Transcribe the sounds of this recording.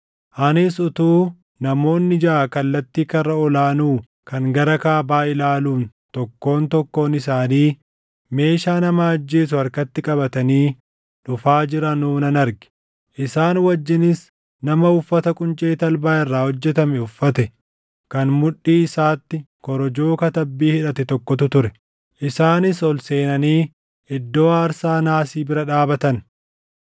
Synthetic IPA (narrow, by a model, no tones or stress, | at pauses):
ʔɐnɪsʊt̪uː | nɐmo̞ːnːɪd͡ʒɐʔaːkɐlːɐt̪ːiːkɐrɐɔlaːnuː | kɐŋɡɐɾɐkaːbaːɪlaːluːnt̪ɔkːo̞ːnt̪ɔkːo̞ːnɪsaːniː | me̞ːʃaːnɐmaːd͡ʒːe̞ːs̬ʊɐɾkɐt̪ːɪkʼɐbɐt̪ɐniː | ᶑʊfaːd͡ʒɪɾɐnuːnɐnɐɾɡɛ̥ | ʔɪsaːnwɐd͡ʒːɪnɪs | nɐmɐʊfːɐt̪ɐkʼʊnt͡ʃʼeːt̪ɐlbaːʔɪrːaːhɔd͡ʒːɛt̪ɐmɛʊfːɐt̪ɛ | kɐnmʊᶑːiːɪsaːt̪ːɪ | kɔɾɔd͡ʒoːkɐt̪ɐbːiːhɪᶑɐt̪ɛt̪ɔkːɔt̪ʊt̪ʊɾɛ | ʔɪsaːnɪsɔlse̞ːnɐniː | ʔɪd̪ːo̞ːaːɾsaːnaːsiːbɪɾɐᶑaːbɐt̪ɐn